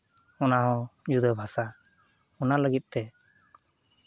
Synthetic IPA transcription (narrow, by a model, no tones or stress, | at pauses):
ɔnaɦɔ̃d͡ʒud̪əbʱasa | ɔnaləɡit̪̚ˀt̪ɛ